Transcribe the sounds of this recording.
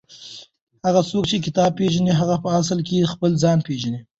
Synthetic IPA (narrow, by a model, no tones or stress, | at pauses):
haɣat͡sokt͡ʃek̬ɪt̪ɑb̚peʒaniɦaɣapəas̬əlkexpəlzɑnpeʒani